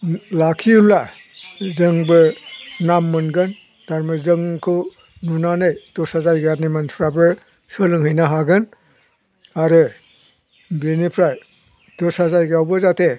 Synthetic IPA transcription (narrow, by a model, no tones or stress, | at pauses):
lakʰiula | zɯŋbɯnamːɯnɡɯn | d̥aɾmɯzɯŋkʰɯ | nunanɯjd̥ɔsazajɡanimansʰuɾabɯ | sɯlɯŋɦɯjnaɦaɡɯn | aɾɯ | benipʰɾaj | d̥ɔsazajɡawbɯzatʰe